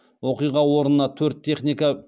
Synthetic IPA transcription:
wo̞qijʁɑwo̞ɾənənɑt̪ʰɵɾt̪ʰːe̞χnʲijka

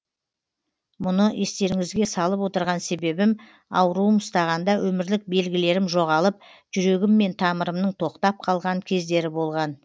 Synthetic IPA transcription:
mʊnəje̞st̪e̞ɾɪŋɪzɡʲe̞sɑlˠəpwo̞t̪əɾʁɑnse̞be̞bɪm | ɑ̰wəɾuəmʊst̪ɑʁɑnd̪ɑwʔɵmɪɾlɪk̚be̞lɡʲɪle̞ɾɪmʒo̞ʁɑlˠəp̚ʒ̥ʏɾe̞ɡʲɪmːe̞nt̪ʰɑməɾəmnəɴt̪ʰo̞qt̪ɑp̚qʰɑlˠʁɑŋkʲʰe̞zd̪e̞ɾɪbo̞lˠʁɑn

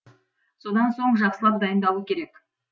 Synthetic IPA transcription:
so̞d̪ɑnso̞ɴʒɑqsəlˠɑp̚d̪ɑjənd̪ɑlˠuəkʲʰe̞ɾe̞k

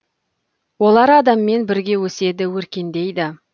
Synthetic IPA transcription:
wo̞lˠɑɾɑd̪ɑmːe̞nbɪɾɡʲe̞wɵse̞d̪ɪwɵɾkʲe̞nd̪e̞jd̪ɪ

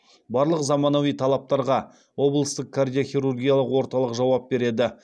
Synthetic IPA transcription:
bɑɾlˠəqzɑmɑnovijt̪ʰɑlˠɑp̚t̪ɑɾʁɑ | wo̞blˠəst̪əq̚kʰard̪ijoχʲijɾurɡʲijalˠəqwo̞ɾt̪ɑlˠəqʒɑwɑp̚be̞ɾe̞d̪ɪ

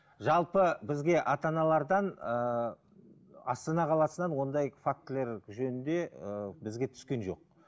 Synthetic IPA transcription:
ʒɑlˠpəbɪzɡʲe̞ʔɑt̪ɑnɑlˠɑɾd̪ɑnə | ɑst̪ɑnɑqʰɑlˠɑsənɑnwo̞nd̪ɑjfak̚t̪ɪle̞ɾʒɵnɪnd̪e̞əbɪzɡʲe̞t̪ʰʏ̥skʲe̞nʒo̞̰q̚

